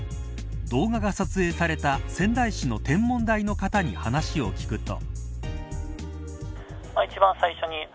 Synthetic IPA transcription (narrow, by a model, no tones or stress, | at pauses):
d̪o̞ːɡaɡasat͡sɨe̞ːsaɾe̞t̪asẽ̞nd̪aiɕino̞t̪ẽ̞mːõ̞nd̪aino̞kat̪aɲ̟ihanaɕio̞kʲi̥kɯ̟t̪o̞̰ | mait͡ɕibãñsaiɕo̞ɲ̟i